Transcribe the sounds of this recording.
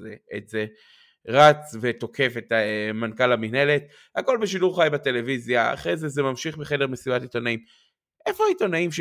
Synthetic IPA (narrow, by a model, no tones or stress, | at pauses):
eḛtze | ʁat͡sve̞to̞kʰe̞fe̞tamankalaminelet | hako̞lbeʃiduʁχajbate̞le̞vizjaa̰χʁejzezemamʃiχbeχe̞deʁmesibatitonaim | ʔefoaitonaimʃ